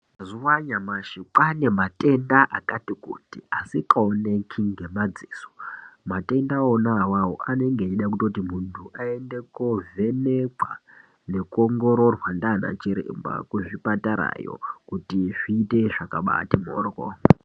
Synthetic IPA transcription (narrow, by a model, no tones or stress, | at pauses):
azuwaɲamaʃiǃane̞matʼe̞ndaʔakatikṵtiasikaone̞kʰiŋɡe̞mad͡ziːso̥mate̞ndaonawaɦo̰ʔane̞ŋɡeiɗakutotimuntʰuʔae̞nde̞kove̞neǃwa | ne̞koŋɡo̞ɾo̞rwandana̰t͡ʃiɾḛmba̰kweʐipataɾa̰jo̰kutiʐ̥iːte̞ʐakaɓa̰timo̰ːrko̰